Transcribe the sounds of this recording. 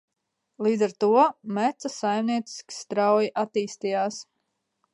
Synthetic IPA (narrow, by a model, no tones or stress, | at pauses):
lˠiːd̪zaɾt̪uɔmæt̪sasajmniɛt̪si̥sʲkʲi̥st̪ɾawjiʔat̪iːst̪ijaːs